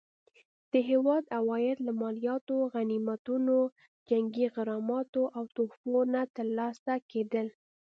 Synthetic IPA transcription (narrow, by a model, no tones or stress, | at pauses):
d̪̥əɦewɑd̪awɑjɪɾlamɑlijɑt̪oɣanimat̪uno | d͡ʒaŋɡiɣɪɾɑmɑt̪oʔawt̪ofonat̪əɾlɑsaked̪əl